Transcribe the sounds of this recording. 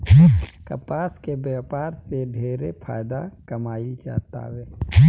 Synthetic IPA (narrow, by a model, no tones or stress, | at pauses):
kɐpaːskebjaːpaːɾseɖʱeːɾepʰa̰ːjd̪akɐmaːid͡ʒa̰ːt̪a̰ːweː